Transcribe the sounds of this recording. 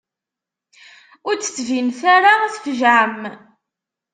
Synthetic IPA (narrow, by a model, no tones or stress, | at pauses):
ʊɾt͡sːə̥t͡sːvinθaɾaæθfəʒʕəm